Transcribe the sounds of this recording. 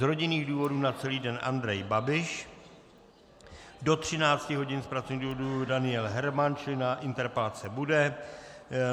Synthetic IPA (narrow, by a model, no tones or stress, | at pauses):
zɾo̞ɟɪniːɣduːvo̞duːnat͡sɛliːdɛnʔa̰nd̪ɾɛjbabɪʃ | do̞t̪r̝̥ɪnaːt͡scɪɦo̞ɟɪnspɾat͡sovɲiːduːvodudanɪjɛlɦɛɾmant͡ʃɪlɪnaʔɪnt̪ɛɾpɛlat͡sɛbudɛ